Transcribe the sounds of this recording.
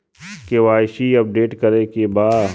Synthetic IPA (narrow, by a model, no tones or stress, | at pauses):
keʋaːɪʃiɐp̚ɖeːʈkɐɾekebaː